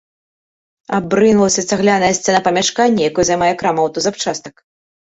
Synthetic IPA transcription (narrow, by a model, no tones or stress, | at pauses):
abɾɨnvɐlˠɐsʲɐsʲaɣlʲanɐjɐsʲt̪ʲɛnɐpɐmʲaʂkanʲːɐjakɔjzajmajɛkɾamɐwt̪ɔzapt͡ʂast̪ɐk